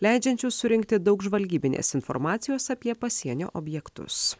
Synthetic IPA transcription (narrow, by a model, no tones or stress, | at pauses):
lʲæɪd͡ʒʲɛnʲt͡ʃʲusʊɾʲɪŋʲk̚t̪ʲɪd̪ɒʊɡʒʋɐlʲɡʲiːbʲɪnʲḛːsɪnfɔ̰ɾmɑːt̪sʲɪjoːsɐpʲiɛpɐsʲiɛnʲo̰ːʔɔːbʲjɛkt̪ʊ̰s